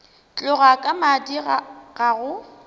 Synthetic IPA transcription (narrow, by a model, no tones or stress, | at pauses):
t͡ɬʼʊɣakʼamadiɣaɣʊ